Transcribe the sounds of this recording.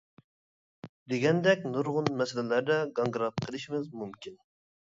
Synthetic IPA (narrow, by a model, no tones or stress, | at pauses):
d̪eɡʲɛnd̪ɛkʲnuɾʁʊnmɛsɪlɪlæɾd̪ɛɡɑŋɡɾɑp̚qʰəlˠɨʃimɪzmumkʲʰin